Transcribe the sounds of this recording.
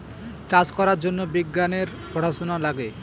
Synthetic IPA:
t͡ɕad͡ʑkɔɾaɾd͡ʑonːobiɡːaneɾ | poɽaʃonalaɡe

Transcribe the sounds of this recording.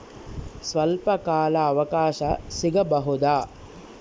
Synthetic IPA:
sʋɐlpɐkaːlɐːʋɐkaːʃɐsiɡɐbɐɦud̪aː

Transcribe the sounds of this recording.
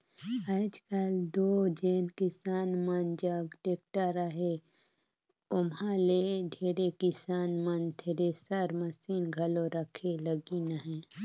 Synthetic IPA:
aːd͡ʒkəld̪oːd͡ʒeːnkɪsaːnmənd͡ʒəɡʈek̚ʈaɾəɦe | ʊmɦãleɖʱeːɾekɪsaːnmənt̪ʰeɾesəɾmɐsiːnɡʱɐloɾəkʰeləɡinəɦɛ̃ː

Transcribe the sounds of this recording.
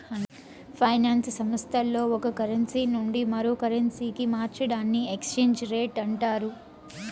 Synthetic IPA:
pʰɐjnaːnssɐmɐst̪ʰɐlːo̞ːɔkɐkɐɾɐnsiːnuɳɖimɐɾoːkɐɾɐnsiːkimaːɾt͡ʃɐɽaːnːiekst͡ʃe̞ːɲd͡ʒɾe̞ːʈɐɳʈaːɾu

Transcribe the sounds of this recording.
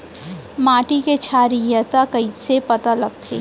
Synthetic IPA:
maːʈiket͡ʃʰaːɾijət̪akɐisepɐt̪alɐɡ̚t̪ʰḛː

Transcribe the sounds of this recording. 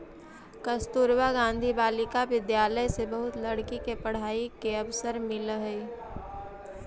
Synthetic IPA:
kəst̪uɾwaɡãːnd̪ʱibaːlɪkaʋɪd̪jaːləjsebɐɦʊt̪lɐɽkikepɐɽ̤aːikeɐʋsəɾmɪlɦi

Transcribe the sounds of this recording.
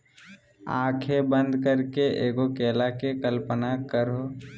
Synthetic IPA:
aːkʰebə̃nd̪kəɾkeʔeːɡokeːlakekəlpənakəɾoː

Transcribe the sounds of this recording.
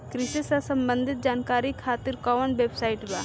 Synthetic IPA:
kɾɪsesasɐmbə̃nd̪ʱɪt̪̚d͡ʒaːnkaːɾikʰaːt̪ɪɾkɔːʋənʋeːbsaːɪʈba

